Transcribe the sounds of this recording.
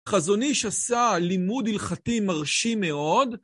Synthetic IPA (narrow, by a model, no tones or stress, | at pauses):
χazo̞niʃasalimudilχatimaʁʃime̞o̞d